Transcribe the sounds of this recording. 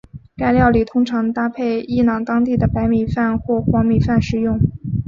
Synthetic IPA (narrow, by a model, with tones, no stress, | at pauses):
ka˥˧ɪljɑ˥˩ʊli˨˩t̪ʰʊ˥ŋʈ͡ʂʰɑ˧˥ŋt̪a˥pʰe˥˩ɪi˥˩nɑ˨˩ŋt̪ɑ˥ŋt̪i˥˩d̪ə˩pa˧˥ɪmi˨˩fa˥˧nxwɔ˥˩xwɑ˧˥ŋmi˨˩fa˥˩nʂɻ̩˨˩jʊ˥˩ŋ